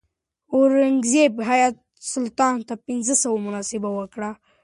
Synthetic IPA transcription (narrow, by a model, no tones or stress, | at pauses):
oɾaŋɡzebɦajat̪̚ | sʊlt̪ɑnt̪apɪnzəsawomʊnɑsɪbawəkɽa